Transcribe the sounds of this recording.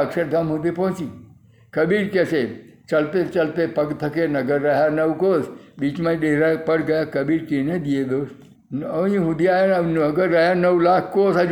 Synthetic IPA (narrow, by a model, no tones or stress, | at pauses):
əksəɾd̪ʱəmɦud̪ʱipɔ̃ɦt͡ʃi | kəbiʈkeset͡ʃəlt̪et͡ʃəlt̪epəɡt̪ʰəkenəɡəɾːəɦjanəʋkosbiːt͡ʃmãɗeɦɾapəɽɡəjakəbiːɾkined̪ied̪oːs | əʋĩɦʊd̪ʱiajanənəɡəɾːəɦjanəʋlakʰkosad͡ʒ